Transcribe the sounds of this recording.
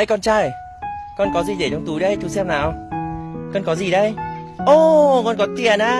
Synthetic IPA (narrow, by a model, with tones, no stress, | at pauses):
ə˧jkɔ˧nt͡ɕaː˧j | kɔ˧nkɔ˨˦zi˨˩ɗe˧˩ɲɔ˧wŋ͡mt̪u˨˦jɗə˧jt͡ɕu˨˦sɛ˧mnaː˨˩w | kɔ˧nkɔ˨˦zi˨˩ɗə˧jʔo˧˩kɔ˧nkɔ˨˦t̪i˧˨ə˨˩nʔaː˧